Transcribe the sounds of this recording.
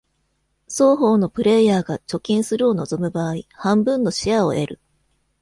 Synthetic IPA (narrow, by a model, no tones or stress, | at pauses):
soːɦo̞ːno̞pɯ̟ɾe̞jaːɡat͡ɕo̞kʲĩɰ̃sɨɾɯ̟o̞no̞zo̞mɯ̟baːihãmbɯ̟̃nːo̞ɕiao̞̰ʔe̞ɾɯ̟